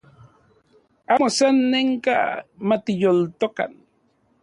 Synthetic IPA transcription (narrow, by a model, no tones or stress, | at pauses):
amosanːeŋka̰mat̪ɪjolt̪oka̰n